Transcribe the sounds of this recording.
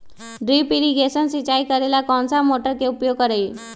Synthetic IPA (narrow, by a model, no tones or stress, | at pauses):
ɖɾipiɾiɡesənsit͡ɕaikəɾelakɔnsamoʈəɾkeupjoɡ̚kəɾaj